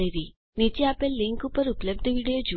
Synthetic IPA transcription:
eɾi | nit͡ʃiapelːiŋkupːəɾupləb̚d̪ʱəʋiɽijod͡ʒu

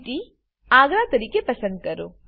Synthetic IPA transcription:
ʈi | aːɡɾat̪ɐɾiːkepɐsə̃nd̪̚kɐɾo̰ː

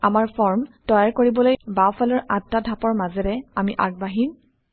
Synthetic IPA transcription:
amaɹpʰɔɹmtɔjaɹkoɹibɔlojbawpʰalɔɹʔatːadʱapɔɹmazɛɹɛamiʔaɡ̚baɦim

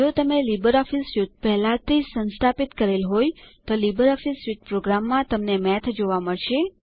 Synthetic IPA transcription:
d͡ʒot̪əmelibəɾɔfisjut̚pɛɦlat̪isə̃nst̪ʰapit̪kəɾelɦojt̪olibəɾɔfisjuʈ̚pɾoɡɾamːãt̪əmnemɛt̪ʰd͡ʒoʋaməɭʃe

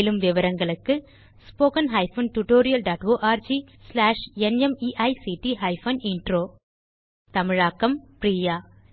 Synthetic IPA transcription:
lɯmʋɪʋɐɾɐŋɡɐɭɯkːɯ | spoːkɐnɦɐɪfɐnʈuʈoːɾɪjɐlɖaːʈʋoːʔaːɾd͡ʒislaːʂɛnɛmiːʔɐɪsiʈiɦɐɪfɐnɪnɖɾoː | t̪ɐmɪɻaːkːɐmpɾiːjaː

